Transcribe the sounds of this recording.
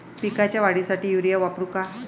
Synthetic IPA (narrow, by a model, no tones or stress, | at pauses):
pikat͡ɕjaʋaɽisaʈiːjuɾijaʋapɾuka